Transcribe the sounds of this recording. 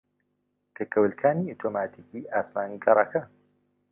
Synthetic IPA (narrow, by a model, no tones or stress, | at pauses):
kʰɐkʰɐwlkʰaːniut̪ʰoːmaːt̪ʰikiʔaːsmaːŋɡɐɾˤɐkɐ